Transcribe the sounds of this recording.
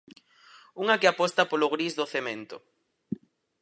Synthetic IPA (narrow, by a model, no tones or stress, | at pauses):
uŋakɪapɔst̪apolʊɣɾizðoθemẽnt̪ʊ